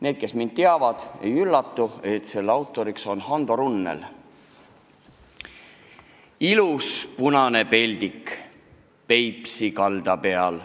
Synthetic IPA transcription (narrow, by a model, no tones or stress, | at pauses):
ne̞ːd̪̥̚ke̞smind̪̥̚t̪eɑvɑd̪̥e̞jylːɑt̪ˑːue̞t̪se̞lːɑwt̪ːˑo̞ɾikso̞nhɑnd̪̥oɾunːḛl | iluspunɑne̞pe̞lʲd̪ik | pe̞jpsikɑld̪ɑpe̞ɑl